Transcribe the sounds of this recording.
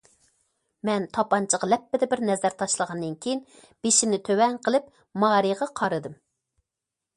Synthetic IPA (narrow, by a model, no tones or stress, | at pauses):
mɛnt̪ʰɑpɑnt͡ʃʰəʁɑlɛpːɪd̪ɛbɪɾnɛzæɾt̪ʰɑʃlˠəʁɑnd̪ɨnkʲʰejin | b̥eʃimnɪt̪ʰøwɛŋqʰəlˠɪp̚ | mɑːɾiʁɑqʰɑɾɨd̪ɨm